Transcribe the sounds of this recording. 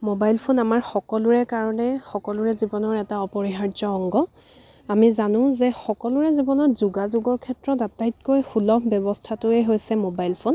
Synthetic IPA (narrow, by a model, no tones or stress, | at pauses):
mobajlpʰonamaɹxɔkɔlʊɹɛkaɹɔnɛxɔkɔlʊɹɛzibɔnɔɹɛtaɔpɔɹiɦaɹzɔɔŋɡɔ | amizanʊ̃zɛxɔkɔlʊɹɛzibɔnɔɹzuɡazuɡɔɹkʰɛtɹɔdatajt̚kojxulɔpʰbjɔbɔstʰatʊeɦojsɛmobajlpʰon